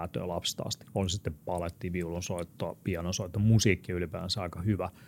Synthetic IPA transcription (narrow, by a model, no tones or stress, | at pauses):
t̪ø̰ːlɑpst̪ɑ̰st̪i̥olsit̪ːeppɑlet̪ːiːʋiulonsoit̪ːoɑpiɑnonsoit̪ːomusiːkːiylipæːʋænsæɑikɑhyʋæ